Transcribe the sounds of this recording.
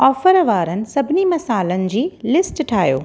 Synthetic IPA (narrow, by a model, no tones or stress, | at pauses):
ɔːfəɾʋaːɾənɪ̆sɐbʱɪnimɐsaːlənɪ̆d͡ʑiːlɪsʈʈʰaːɦjo̰ː